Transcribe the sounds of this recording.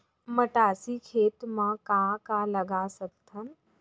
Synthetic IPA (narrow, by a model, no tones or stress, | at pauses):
məʈaːsikʰeːt̪mãkãːkalɐɡasɐk̚t̪ʰɐm